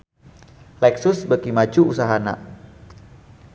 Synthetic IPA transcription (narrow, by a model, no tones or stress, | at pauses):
lɛksʊsbəkimad͡ʒuusaɦana̰